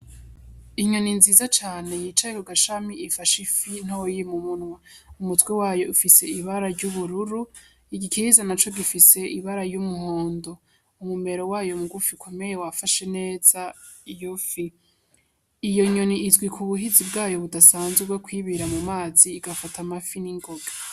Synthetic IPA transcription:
iɲo̞ninziːzat͡ʃaːne̞jiːt͡ʃajekuɡaʃamiifaʃifin̥owojimumunŋwaumutwewaːjo̞ufise̞iβaɾaɾɟuβuɾuɾu | iɡikiizanat͡ʃo̞ɡifise̞ʔiβaɾajumuho̞ːndo̞ | umume̞ɾo̞waːjo̞muɡufikʰo̞me̞je̞wafaʃe̞ne̞ːz̥aijufi | ijo̞ɲo̞niːzɡwikʰuβuɦizibɡaːjo̞βudasaːnzwuɡwekwiːβiɾamumaːziːɡafatʰamafiniŋɡo̞ɡa

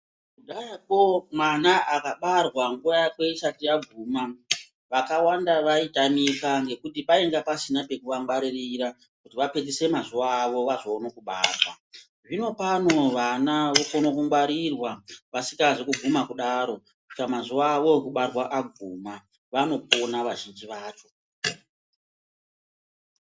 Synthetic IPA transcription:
kuɗajako̞manaʔakaɓarwaŋɡuʋajakwe̞isatiaɡʱuːma | ʋakawandaʋaitamikaŋɡe̞kutipae̞ŋɡapasinape̞kuʋaŋɡwaɾiriɾa | kutiʋape̞tise̞mazuʋaːʋo̞ʋazoːnokuɓa̰ːrwwa̰ | ʐino̞pano̞ʋanaʋokonokuŋɡwaɾirwaʋasikaʐekuɡʱumakuɗaːɾo̞ | kut͡ʃi̥kamazuʋaːʋo̞ekuɓarwaʔaɡʱuːma | ʋano̞p̚onaʋaʒind͡ʒiʋaːt͡ʃo̞

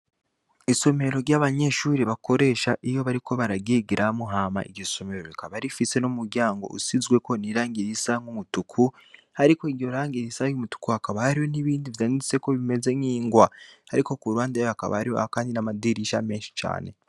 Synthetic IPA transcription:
iso̞me̞ɾo̞ɾɟaβaɲe̞ʃuːɾiβako̞ɾe̞ːʃaʔijo̞βaɾiko̞βaɾaɡiɡiɾʔamuɦaːma̰ʔḭɾɟoso̞me̞ɾo̞βikʰaβaɾifise̞numuɾɟaːŋɡo̞̰ʔṵsizɡwe̞ko̞niɾaːŋɡiɾisaŋɡumutukʰu | haɾikoiɾjo̞ɾaːŋɡiɾisajumutu̥kuhakaβahaɾijo̞niβiːndivjaːndit͡se̞ko̞βime̞ze̞ŋiːŋɡwahaɾiko̞kuɾuwaːndajoaka̰βa̰haɾijoakaːndinamadiɾiʃame̞ːnʃi̥t͡ʃa̰ːne̞̰

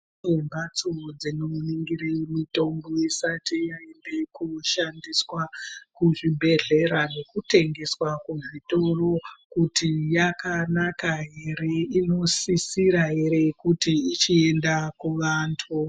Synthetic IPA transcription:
embat͡sod͡zinoniŋɡiɾemito̞mbo̞isatijae̞nde̞kuʃandiswakuʐibʱe̞ɮe̞ɾane̞kute̞ŋɡe̞swakuʐito̞ro̞kutijakanakaɦe̞ɾe̞ino̞sisiɾaɦe̞ɾe̞kutiit͡ʃie̞ndakuʋaːntʰu

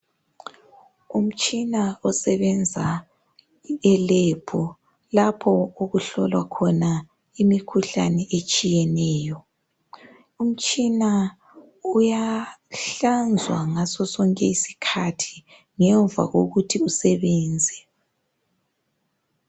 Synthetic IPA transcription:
um̩t͡ʃʼinaɔsɛβɛnd͡zʱa | ɛleb̥ʰʱɔ | lapʰɔoɣuɬɔlwa̰kʰɔna | imikʰuɬanɛʔet͡ʃʼijɛnɛːjɔ | um̩t͡ʃʼina | ujaɬand͡zʱwa̰ŋasɔsɔŋkʼɛisi̥kʰatʰi̥ | ŋɛɱvʱa̰ɣoɣutʰiusɛβɛːnd͡zʱɛ

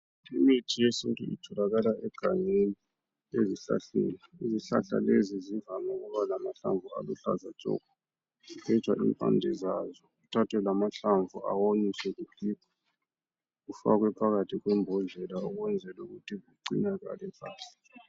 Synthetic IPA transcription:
imitʰijesintʼṵḭtʰɔlaɣalaʔɛɡ̥ʱaɲeni | eziɬa̰ɬḭnaiziɬa̰ɬa̰lezizivanɔɣuβalamaɬa̰ɱvua̰lṵɬazat͡ʃʼɔ̰ːkɔ | ɛt͡ʃʰʼwaʔḭmpʼa̰ndʱɛzazɔɣutʰatʰwɛlamaɬaɱvʱuʔa̰woɲisɛɣukipʰḁ | ɣufa̰ɣ̬wɛpʰaɣatʰiɣwɛmbʱɔnɮʱɛlauɣwɛnd͡zʱɛluɣutʰiɣuǃḭnaɣa̰lɛpʰʼa̰ːsi̥

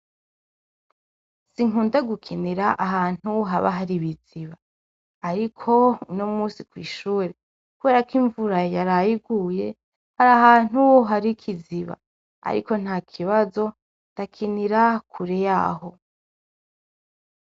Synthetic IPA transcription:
siŋuːndaɡukʰiniɾaʔaɦaːn̥uɦaβa̰ɦaɾiβiz̥iβaː | ɾikʰo̞nomuːsikwiːʃuːɾe | kuβe̞ːɾakiɱvuɾajaɾajiɡuje̞ | haɾaɦaːn̥huɦaɾikʰiziβa̰ | a̰ɾiko̞n̥haːkʰiβazo̞ | ndakʰiniɾakʰuɾeja̰ːɦo̞

